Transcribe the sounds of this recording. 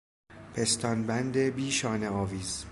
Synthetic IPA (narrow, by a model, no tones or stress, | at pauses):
pʰe̞st̪ɒnbænd̪ebiːʃɒːneɒːviːz̥